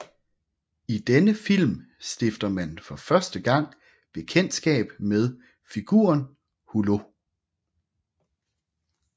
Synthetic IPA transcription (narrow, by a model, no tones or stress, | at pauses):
id̥enəfil̰m | sd̥e̝fd̥ɐmænfɒ̽fɶɐsd̥əɡ̥ɑ̈ŋ̰ | b̥e̝kʰen̰d̥sɡ̥ɛ̰ːb̥með̞ˠ | fiɡ̥ṵːɐn | hulo̝